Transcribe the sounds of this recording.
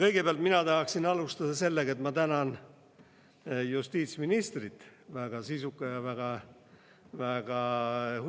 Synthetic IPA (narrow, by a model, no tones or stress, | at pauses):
kɤjɡ̥epeɑlt̪minɑt̪ɑɦɑksinɑlust̪ɑd̪̥ɑse̞lːeɡ̥ɑet̪mɑt̪ænɑn | just̪iːt̪sminist̪rit̪ˑvæɡ̥ɑsisukːˑɑjɑvæɡ̥ɑ | væɡ̥ɑh